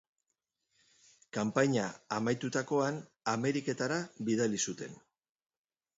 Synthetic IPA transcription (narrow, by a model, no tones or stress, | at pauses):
kampaɲaːmajt̪ut̪ako̞an | ame̞ɾike̞t̪aɾaβiðalisut̪e̞̰n